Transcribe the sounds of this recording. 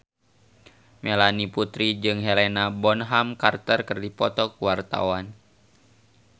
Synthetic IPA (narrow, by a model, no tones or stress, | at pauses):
mɛlaniput̪ɾid͡ʒɨŋɦɛlenabɔnɦamkart̪ərkɨrdipɔt̪ɔkuwart̪a̰wan